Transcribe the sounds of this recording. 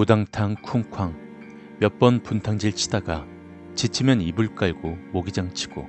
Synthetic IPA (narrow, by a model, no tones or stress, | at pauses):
udaŋtʰaŋkʰuŋkʰwaŋ | mjʌp͈ʌnpuntʰaŋd͡ʑiɭt͡ɕʰi̥daɡa | t͡ɕit͡ɕʰimjʌnibuɭk͈aɭɡ̥omoɡid͡ʑaŋt͡ɕʰi̥ɡ̥o̰